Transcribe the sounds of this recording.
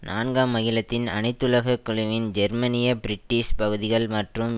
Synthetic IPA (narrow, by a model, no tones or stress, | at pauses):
nʔaːnɡaːmːɐɣɪlɐt̪ːɪnɐ̰nɐɪt̪ːɯlɐɣɐkːʊɭɪʋɪnd͡ʒɛɾmɐnɪjɐbɪɾɪʈːiːspɐɣɯðɪɣɐɭmɐʈrɯm